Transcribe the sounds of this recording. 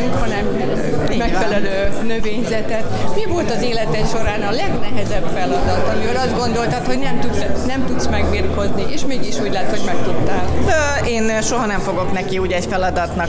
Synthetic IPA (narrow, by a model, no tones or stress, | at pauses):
ŋkhɒnɛm | mɛkfɛlɛløːnøveːɲzɛt̪ɛt̪mivo̞lt̪ɒzeːlɛt̪ɛʃo̞ɾaːnɒlɛɡnɛɦɛzɛbfɛlɒd̪ɒt̪ɒmioːɾɒzd̪ɡo̞nd̪o̞lt̪ɒt̪ho̞ɟnɛmt̪usnɛmt̪ut̪smɛɡbirko̞zniʔeːʃmeːɡiʃuːɟlaːt̪hoɟmɛkt̪ut̪ːaːlø | eːnʃo̞ɦɒnɛɱfo̞ɡo̞knɛkiuːɟɛcfɛlɒd̪ɒt̪nɒ